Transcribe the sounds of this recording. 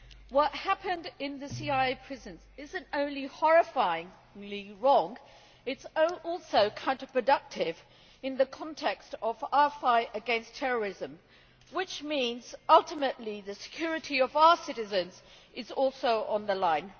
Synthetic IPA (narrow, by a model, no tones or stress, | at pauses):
wʌt̚hæpɨ̃ndɪ̃nðɨsiaɪeɪpʰɹ̥ɪzɨ̃nzɪzɨ̃ntõʊ̃nlihɑɹɨfaɪɪ̃ŋ | liɹɔ̃ŋ | ɨtsʔɔlˠsoʊkʰãʊ̃ntəpʰɹ̥ɨdʌk̚tʰɪv | ɨ̃nðɨkʰɑ̃ntʰɛkstʌvafaɪɾɨɡɛ̃nstʰɛɹə˞ɪzɨ̃m | wɪt͡ʃmĩnzʌlˠtəmɨʔˡliðɨsɨ̥kʰj̥ʊɹɨɾiʌvaʊə˞sɪɾɨzɨ̃nzʔɨzɔlˠsoʊʔə̃nðəlãɪ̃n